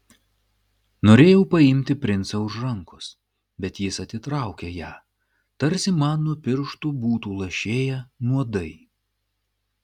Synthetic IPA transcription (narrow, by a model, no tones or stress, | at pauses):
noːɾʲeːjɛʊpɐɪmʲt̪ʲɪpʲɾʲɪnt̪sɐʊʒɾɐŋkʊs | bʲɛt̪jɪsɐt̪ʲɪt̪ɾɑˑʊkʲejæː | t̪ɐɾʲsʲɪmɑnːʊpʲɪɾʃt̪uːbuːt̪uːlˠɐʃʲeːjɛnuɔd̪ɐɪ